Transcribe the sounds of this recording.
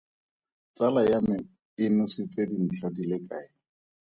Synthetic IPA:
t͡sʼalajamɪ | ɪnʊsɪt͡sedin̩t͡ɬʰadilɪkʼaːɪ

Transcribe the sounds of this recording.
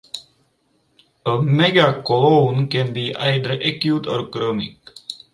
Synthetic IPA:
əmeɡakɔlõːnkɛ̃nbiːʔa̰ɪɖəɾɛkjuːt̪ɔ̰ːɾkɾəmɪ̰k

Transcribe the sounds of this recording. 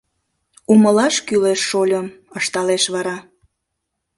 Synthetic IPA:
uməlɑʃkyleʃːolʲəməʃt̪ɑleʃβɑɾɑ

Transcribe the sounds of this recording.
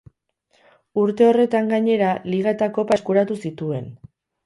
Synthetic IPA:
uɾt̪e̞o̞re̞t̪aŋɡaɲe̞ɾaliɣ̞aet̪ako̞paeskuɾat̪usit̪ue̞n

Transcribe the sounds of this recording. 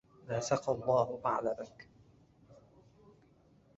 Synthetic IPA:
naːsɑqɑlˤːɑːhʊʔaʕlabak

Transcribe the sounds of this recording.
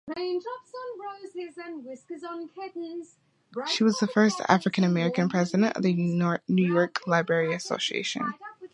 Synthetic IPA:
ɹẽɪ̃ntʰɔpsə̃nbɹoʊzɪzə̃nwɪskəzn̩hʰɪdⁿn̩z | ʃiwʌzðəfɜ˞stʰæ̰fɹɨkɨ̃ñɨmɛɹɨkɨ̃npʰɹ̥ɛzɨɾɨ̃ntʌ̰vðɨɔnʉjɔɹkʰlaɪbɹɛɹiɨso̰ʊsiḛɪʃɨ̰̃n

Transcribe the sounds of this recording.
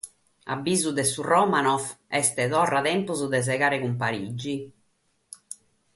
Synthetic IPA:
a̰bːiːzud̪ɛsurɔmanɔfɛst̪ɛt̪ɔrːat̪ɛmpuzud̪ɛs̬ɛɣaːɾɛkumpaɾid͡ʒːi

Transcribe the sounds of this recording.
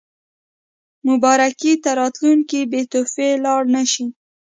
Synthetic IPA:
mʊbɑɾakit̪aɾɑt̪luŋkibet̪ofelɑɽnaʃi

